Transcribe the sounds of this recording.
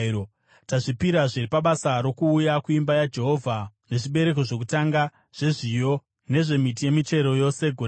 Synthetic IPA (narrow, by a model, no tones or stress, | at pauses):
taʐipiɾaʐiripaɓasaɾo̞kuːjakuimbajad͡ʒe̞ɦo̞vʱane̞ʐiɓe̞ɾe̞ko̞ʐo̞k̬utaŋɡa | ʐ̥e̞ʐijo̞ | ne̞ʐe̞mit̬ije̞mit͡ʃe̞ɾo̞jo̞se̞ɡʱure